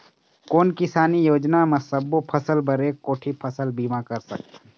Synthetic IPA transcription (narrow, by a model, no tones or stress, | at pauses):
koːnkɪsaːnijoːd͡ʒnamɐsəbopʰɐsəlbəɾeːkːoːʈʰipʰəsəlbiːmakɐɾsə̰k̚t̪ː